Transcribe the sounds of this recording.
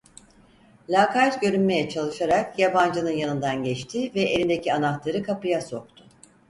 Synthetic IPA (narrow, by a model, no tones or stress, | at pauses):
lʲaːkʰat̪ɟø̞ɾynme̞jɛt͡ʃʰalˠɯʃaɾakjaband͡ʒɯnɯnjanɯnd̪anɟɛt͡ʃt̪ʰɪvɛʔelʲind̪ecʰianaxt̪lˠaɾɯkʰapɯjaso̞k̚t̪ʰʊ̥